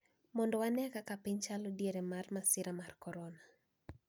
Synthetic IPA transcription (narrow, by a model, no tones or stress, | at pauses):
mɔndɔwanɛkakapɪɲt͡ʃalɔdjeɾɛmarmasɪɾamarkɔɾɔna